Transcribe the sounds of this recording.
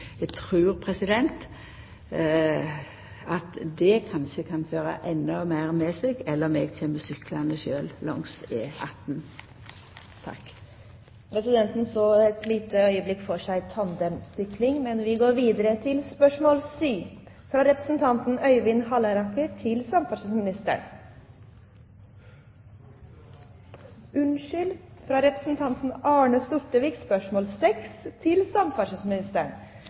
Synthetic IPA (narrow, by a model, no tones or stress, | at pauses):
jɛɡt̪ʰɾʉːɾpʰɾɛsɪd̪ɛnt̪ | ɑt̪d̪ɛkʰɑnʃəkʰɑnføːɾə̰ʔɛnːɔmæɪʁmɛsɛɡɛlːəɾmɛɡt̪ʰɛməsʏkʰlɑnəʃøːllɔ̰ŋsɪ̰ɑt̪ːn | t̪ʰɑ̰kː | pʰɾɛsɪd̪ɛnt̪n̩soːɛt̪liːt̪əœʏəblɪkːfɔʂæɪt̪ʰɑnd̪ɛmsʏklɪŋmɛnʋɪɡoːɾʋiːd̪əɾət̪ʰɪlspœʂmoːlsyː | fɾɑɾɛpɾəsn̩t̪ʰɑnt̪n̩œʏʋɪnhɑləɾɑkətʰɪlsɑmfɑʂəsmɪnɪst̪ə̰ɳ | ʉnʃʏlfɾɑɾɛpɾəsn̩t̪ʰɑnt̪n̩ɑːɳəst̪ʊʈ̪əʋiːkspœʂmoːlsɛkst̪ʰɪlsɑmfɑʂɪsmɪnɪst̪əɳ